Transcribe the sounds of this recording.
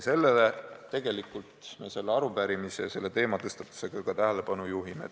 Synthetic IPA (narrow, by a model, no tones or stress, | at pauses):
se̞lːelet̪ːe̞ɡ̥e̞likːˑult̪me̞se̞lːeɑɾupæːɾimise̞jɑse̞lːe̞t̪e̞ːmɑt̪ɤst̪ɑt̪ːˑu̥se̞ɡ̥ɑɡ̥ɑt̪æɦelepɑnujuɦimḛ